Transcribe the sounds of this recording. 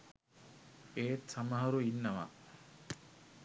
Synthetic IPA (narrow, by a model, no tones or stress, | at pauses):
eːt̪sɐmɐɦɐɾuinːɐʋa̰